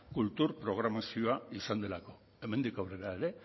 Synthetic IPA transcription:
kult̪uɾpɾo̞ɣ̞ɾamasio̞aisand̪e̞lako̞ | e̞me̞nd̪ikawre̞ɾaeɾe̞

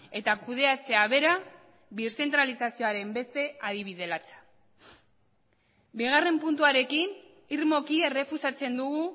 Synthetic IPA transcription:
e̞t̪akuð̞e̞at͡se̞aβe̞ɾa | βiɾse̞nt̪ɾalisasioaɾe̞mbe̞st̪e̞aðiβ̞iðe̞lat͡sḁ | biɣ̞are̞mpunt̪̬uaɾe̞kin | iɾmo̞kie̞re̞fusat͡se̞nd̪uɣu

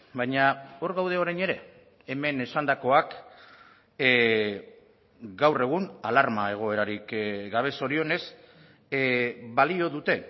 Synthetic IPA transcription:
bajɲao̞ɾɣawð̞e̞o̞ɾajɲe̞ɾe̞ː | me̞ne̞sand̪ako̞ak | ɡawre̞ɣ̞unalaɾmae̞ɣ̞o̞e̞ɾaɾikɡaβ̞e̞so̞ɾio̞ne̞s | βalio̞ðut̪e̞

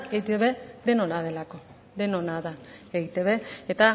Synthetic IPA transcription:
eit̪eβe̞d̪e̞nonað̞e̞lako̞ | d̪enonaðaeɣit̪eβe̞et̪a

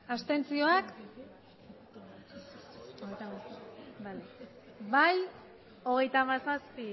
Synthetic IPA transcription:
ast̪e̞nt͡sio̞ak | oɣejt̪amasabale | baj | o̞ɣ̞e̞jt̪amasaspi

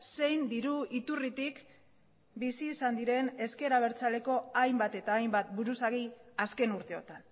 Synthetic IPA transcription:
se̞jnd̪iɾuit̪urit̪ik | bisiːsand̪iɾe̞ne̞ske̞ɾaβ̞e̞ɾt͡sale̞ko̞ajmbat̪e̞t̪aːjmbat̪buɾusaɣiaske̞nuɾt̪e̞o̞t̪an

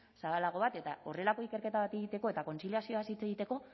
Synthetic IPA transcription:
saβalaɣ̞o̞β̞at̪e̞t̪ao̞re̞lako̞ike̞ɾke̞t̪aβat̪eɣit̪e̞ko̞et̪ako̞nt͡siljasio̞asit͡seɣit̪e̞ko̞

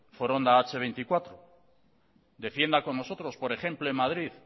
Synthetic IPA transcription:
foɾond̪aat͡ʃeβ̞ejnt̪ikwat̪ɾo | d̪e̞fje̞nd̪ako̞nːo̞so̞t̪ɾo̞spo̞ɾe̞xe̞mploemaðɾið

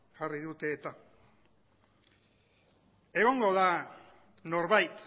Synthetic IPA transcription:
ɣ̥ariðut̪e̞ːt̪a | e̞ɣ̞o̞ŋɡo̞ða | no̞ɾβajt̪

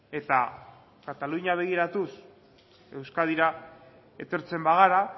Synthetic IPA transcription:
e̞t̪a̰ | kat̪aluɲaβ̞e̞ɣ̞iɾat̪us | e̞wskað̞iɾa | e̞t̪o̞ɾt͡se̞mbaɣaɾa

